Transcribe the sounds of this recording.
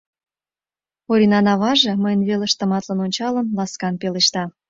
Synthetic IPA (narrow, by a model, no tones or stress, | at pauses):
oɾʲinɑnɑβɑʒĕməjənβelə̆ʃt̪ə̆mɑt̪lənonʲt͡ɕɑlənlɑskɑnpeleʃt̪ɑ